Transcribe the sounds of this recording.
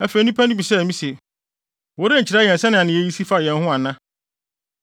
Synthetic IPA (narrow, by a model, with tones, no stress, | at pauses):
æ˦fe˨˦nũ˦pʰæ̃˦nʊ̃˦bi˨sɛ˦˨mĩ˦se˨ | wɔ˨˦ɾe˦ɲ̩˨t͡ɕʰɪɾa˦jɛ˨n˨sɛ˦nɪ̃˨a˨nɪ̃˨e˦ji˦si˦fa˦jɛ̃˨nɦʊ̃˦a˨nã˦